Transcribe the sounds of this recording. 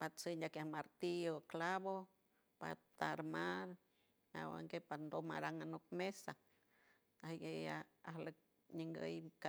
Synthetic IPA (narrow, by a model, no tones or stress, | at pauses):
pat͡sɨɲakjahmaɾt̪ioklaβo | pa̰t̪aɾmaɾ | a̰wa̰ŋɡepand̪oma̰ɾaŋanok̚mesa | ahɡejaahlək̚ | ɲəŋɡə̰jka